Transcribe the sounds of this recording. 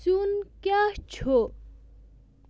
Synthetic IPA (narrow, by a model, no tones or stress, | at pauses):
sunkjat͡ɕʰo